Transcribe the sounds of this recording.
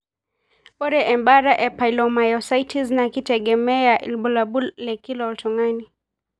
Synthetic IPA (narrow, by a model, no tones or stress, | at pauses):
bɔɾɛʔɛmbaɾaʔɛpajlɔmajɔsaitʰiznakitɛɡɛmɛaʔḭlɓɔlabulːɛkilɔltɔŋani